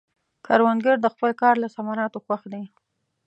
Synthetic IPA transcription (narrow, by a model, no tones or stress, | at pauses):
kʰɑɾwand̪ɡaɾd̪əxpəlkɑɾlasamɑɾɑt̪oxwaxd̪e